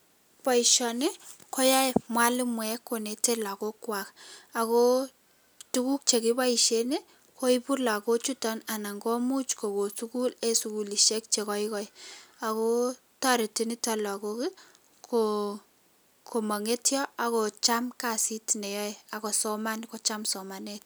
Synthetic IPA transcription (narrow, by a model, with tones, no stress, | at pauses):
pa˨i˨ʃɔ˨ne˦ko˦ja˦mwa˦li˦mwɛ˨kːo˨ne˨te˦la˨ko˦kwa˨ka˨ko˦ | tu˦ku˦k̚t͡ʃe˨ki˦ba˦i˨ʃe˦ne˦ | ko˦i˦pu˦rla˨ko˦t͡ʃu˦tɔ˦na˨na˨ŋɡɔ˦mu˦t͡ʃko˨ko˨su˦ku˦le˦suku˨li˨ʃe˦k̚t͡ʃe˨kɔ˦ikɔ˦ia˨ko˦ | ta˦ɾe˨ti˦ni˦ta˦la˨ko˦kɪ | kʰo | kʰo˨ma˨ŋe˦tjɔ˦a˨ko˨t͡ʃa˦mka˨si˦tne˨jɔ˦e˦a˨ko˨sɔ˦ma˦nko˦t͡ʃa˦msɔ˨ma˨net̚